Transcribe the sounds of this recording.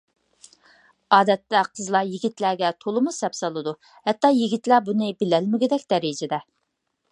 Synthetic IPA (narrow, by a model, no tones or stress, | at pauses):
ɑːd̪ɛt̪ːɛqʰəzlˠɑjiɡʲit̪læɡʲɛt̪ʰolˠɨmusɛpsɑlˠɨd̪u | hɛt̪ːɑjiɡʲit̪læbunɨbɪlɛlmɪɡʲɪd̪ɛkʲd̪̥ɛɾid͡ʒɛd̪ɛ